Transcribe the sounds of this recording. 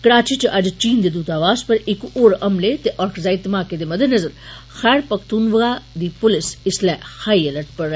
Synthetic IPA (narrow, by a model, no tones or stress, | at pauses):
kəɽaːt͡ʃiːt͡ʃəʔɐd͡ʒt͡ʃiːnd̪eːd̪uːt̪aːʋaːspəɾɪkoːɾɐmlet̪eʔɔːɾkʰzaːit̪əmaːked̪eːmɐd̪ənəzəɾ | xɛːɾpəkʰt̪uːnʋəɡaːd̪iːpʊlɪsɪslɛːhaːiələɾʈpəɾ